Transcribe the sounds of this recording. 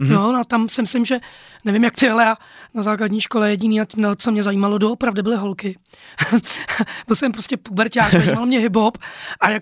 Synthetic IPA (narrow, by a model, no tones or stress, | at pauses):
nonot̪amsɪmɪslɪmʒɛnɛvɪmjakt̪ɪɦlɛja | nazaːkladɲiːʃko̞lɛjɛɟɪniːanat͡somɲɛzaiːmalodoopɾavdɪbɪlɪɦolkɪ | vosɛmpɾoscʲɛpubɛɾcaːkzaimalmɲɛɦɪbɦopʔaja